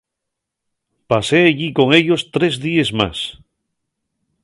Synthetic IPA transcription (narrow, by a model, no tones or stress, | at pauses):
pase̞aʎiko̞ŋe̞ʎo̞st̪ɾe̞zðiezma̰s